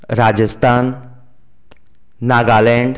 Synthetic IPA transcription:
ɾad͡ʑəst̪ʰan | aɡalɛɳɖ

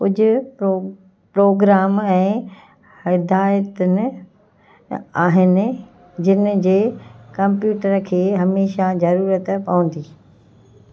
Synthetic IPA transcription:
kʊd͡ʑʊ̆ | pɾoːɡɾaːmɛ̃ː | hɪd̪aːjət̪ʊnɪ̆ | aːɦɪnɪ̆ | d͡ʑɪn̆d͡ʑeːkɐ̃mpjuːʈəɾkʰeːɦɐmeːʃazɐɾuːɾət̪pɐʋə̃nd̪iː

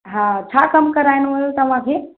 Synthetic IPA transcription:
ɦãt͡ʃʰakəmkəɾajnʋəlt̪ɐm̤ãkʰe

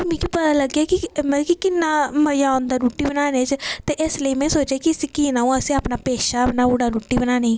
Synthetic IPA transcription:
mĩːkipət̪aləɡjaːkimɛ̃kikɪnːaːməjaːõnd̪aːɾuːʈːiːbənaːneːt͡ʃt̪eʔeːsləimɛ̃ːsoːt͡ʃeːkiəsĩkiːnaːũəsĩːaːpnaːpeːʃapnaːuɽaːɾuːʈːiːbənaːne

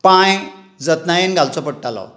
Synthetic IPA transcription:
pãj | d͡zət̪najenɡalt͡sɔpəɽʈalɔ̰

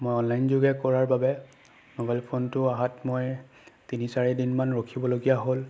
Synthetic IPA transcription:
mojɔnlajnzuɡɛkɔɹaɹbabɛ | nobɛlpʰontʊaɦatmoj | tinisaɹɛdinmanɹokʰibɔloɡijaɦol

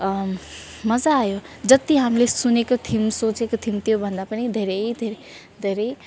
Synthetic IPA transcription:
mʌd͡zaːjo | d͡zʌt̪iɦamilesunekot̪ʰimsot͡sekot̪ʰimt̪ijobʱʌnd̪apʌnid̪ʱeɾʌjd̪ʱeɾe | d̪ʱeɾʌj

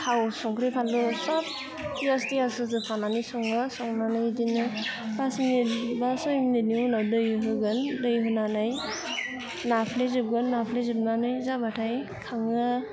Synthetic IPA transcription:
hʰawsɔŋkɾipʰandɔsab̚ | zastiasɯzɯpʰananisɔŋɯsɔŋnanɯjdinɯbasimnebasɔimneniunadɯjɦɯɡɯndɯjɦɯnanaj | napʰlezɯb̚ɡɯnːapʰlezɯb̚nanɯjzabatʰaj | kʰaŋɯ

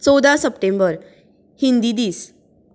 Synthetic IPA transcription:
t͡sɔd̪ʱasəpʈẽmbəɾ | hind̪id̪iːs

